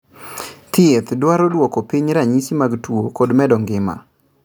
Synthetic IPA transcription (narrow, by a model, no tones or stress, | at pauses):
t̪ɪet̪dwaɾɔdwɔkɔpiɲɾaɲisimaɡtwokɔdmɛdɔŋɡɪma̰